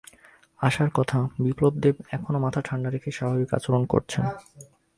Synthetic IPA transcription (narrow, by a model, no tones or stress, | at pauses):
aʃaɾkɔt̪ʰabiplob̚d̪ebɛkʰonomat̪ʰaʈʰaɳɖaɾekʰeʃabʱabika̰t͡ɕoɾonko̰ɾt͡ɕʰen